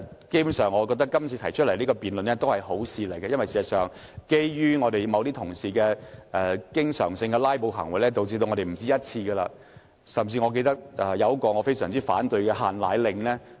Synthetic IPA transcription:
ke˥jpu˧˥sœː˨˩ŋːɔ˨˧k̬ɔː˧k̚t̪ɐ˥kːɐ˥mt͡sʰiː˧t̪ʰɐ˨˩jt͡ʃʰɵ˥lɐ˨˩jliː˥kɔː˧piː˨nlɵ˨nɛ˥t̪o˥whɐ˨jho˨˥wsiː˨˧le˨˩jkɛ˧jɐ˥nwɐ˨jsiː˨˩sɐ˨˩sœː˨ŋke˥jɥyː˥ŋɔː˨˧t̪e˨jmɐ˨˧wt̪iː˥t̪ʰʊ˨˩ŋsiː˨kɛː˧ʔɛ˨kɪ˥ŋsœ̰ː˨˩ŋsɪ˧ŋɡɛ˧laː˥jpo˨˧wɦɐ̰˨˩ŋwɐ˨˩jlɛː˥t̪o˨wt͡si˧to˧wŋɔː˨˧ɾe˨˩m̩˨˩t͡siː˥jɐ˥t̚t͡sʰiː˧ɡɐ˧la̰ː˧ | sɐ˨˩mt͡siː˧ŋɔ˨˧ke˧jt̪ɐ˥k̚ɛ˨˧jɐ˨˧wkɔː˨˧ŋɔː˨˧fe˥jsœː˨˩ŋt͡siː˥fa̰ː˨˥nt̪ɵ˨˧ɥkɛ˧ɦaː˨nlaː˨˧jlɪ˨˧ŋlɛː˥

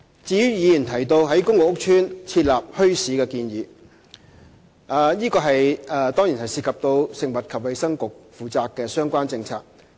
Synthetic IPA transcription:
t͡siː˧jyː˨˥jiː˨˧jyː˨˩nt̪ʰɐ˨˩jt̪o˧wɦɐ˨˥jkʊ˥ŋʊ˨ʊ˥k̚t͡ʃʰyː˥nt͡sʰiː˧t̚laː˨p̚hɵ˥ɥsiː˨˥kɛː˧kiː˧njiː˨˧ | ʔaː˨˩jiː˥kɔː˧ɦɐ˨jɛː˨˧t̪ɔː˥ŋji˨˩nhɐ˨jsiː˧t̚kʰɐ˨p̚t̪o˧wsɪ˨ŋmɐ˨t̚kʰɐ˨p̚wɐ˨˧jsɐ˥ŋkʊ˨k̚fuː˨t͡saː˨kːɛː˧sœː˥ŋkʷaː˥nt͡sɪ˧ŋt͡sʰa̰ː˧k̚

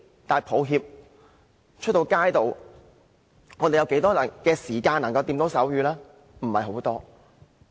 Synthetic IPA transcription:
t̪aː˨˧jpʰo˨˧wɦiː˧p̚ | t͡ʃʰɵ˥t̚t̪o˧wkaː˥jt̪o˨˧w | ŋɔː˨˧t̪e˨jɐ˨˧wke˨˥jt̪ɔː˥jɐ˨˩nkɛː˧siː˨˩kaː˧nːɐ˨˩ŋkɐ˧wt̪iː˧mt̪o˨˥wsɐ˨˥wjyː˨˧laː˥ | m̩˨˩hɐ˨jɦo˨˥wt̪ɔː˥

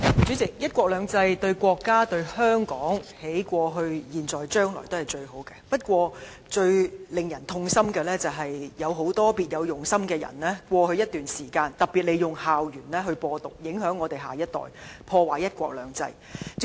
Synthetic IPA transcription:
t͡sy˨˥t͡sɪ˨˩k̚jɐ˥t̚kʷɔː˧k̚lœː˨˧ŋt͡sɐ˧jt̪ɵ˧ɥkʷɔː˧kːaː˥t̪ɵ˧ɥhœː˥ŋkɔː˨˥ŋhe˨˥jkʷɔː˧ɦɵ˧ɥjiː˨nt͡sɔː˨˩jt͡ʃœː˥ŋlɔ̰ː˨˩jt̪whɐ˨jt͡ʃɵ˧ɥɦo˨˥wkɛː˧pɐ˥t̚kʷɔː˧ | t͡ʃɵ˧ɥlɪ˨ŋjɐ˨˩nt̪ʰʊ˧ŋsɐ˥mkɛː˧lɛː˥t͡sɐ˨˩wɦɐ˨jjɐ˨˧wɦo˨˥wt̪ɔː˥piː˨t̚jɐ˨˧wjʊ˨˩ŋsɐ˥mkɛː˧jɐ̰˨˩nlɛː˥kʷɔː˧hɵ˧ɥjɐ˥t̚t̪yː˨nsiː˨˩kaː˧nt̪ɐ˨˩k̚pi˨t̚le˨˧jʊ˨ŋhaː˨wjyː˨˩nlɛː˥ɦɵ˧ɥpɔː˧t̪ʊ̰˨k̚jɪ˨˥ŋɦœː˨˥ŋːɔː˨˧t̪e˨jɦaː˨˩jɐ˥t̚t̪ɔ̰ː˨˩jpʰɔː˧waː˨˩jɐ˥t̚kʷɔː˧k̚lœ̰ː˨˧ŋt͡sɐ̰˧j

